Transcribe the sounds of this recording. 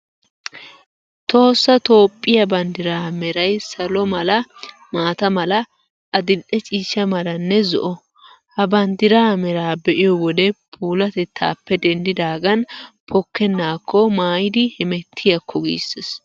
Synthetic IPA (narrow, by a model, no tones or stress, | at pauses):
t̪o̞ːsːɐt̪o̞ːpʼːɪjɐbɐnd̪ɪɾaːmɛɾɐjsɐlɔmɐlɐ | maːt̪ɐmɐlɐ | ʔɐd̪ɪlʔɛt͡ʃʼiːʃːɐmɐlɐnːɛzɔ̰ʔɔ | hɐbɐnd̪ɪɾaːmɛɾaːbɛʔɪjɔwɔd̪ɛpʰuːlɐt̪ɛt̪ʰːa̰ːpːɛd̪ɛnd̪ɪd̪aːɡɐnpʰɔkːɛnːaːkʰːɔmaːjɪd̪ɪhɪmɛt̪ʰːɪjɐkʰːɔɡḭːsːes